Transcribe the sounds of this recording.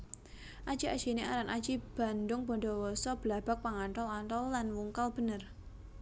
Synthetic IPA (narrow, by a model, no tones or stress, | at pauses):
ʔad̥d͡ʒ̥iad̥d͡ʒ̥ineaɾanʔḁd͡ʒ̥ib̥a̤ndʊŋbɔɳdɔwɔsɔb̥əlab̥a̤k̚paŋaɳʈɔlaɳʈɔlːanwuŋkalb̥ə̤nər